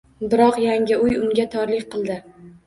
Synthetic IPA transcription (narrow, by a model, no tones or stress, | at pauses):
d̪ɪɾɒqjaŋɡʲɪʊjʊŋɡʲat̪ʰɒɾlɪk̚ʲqʰɨlˠd̪ɪ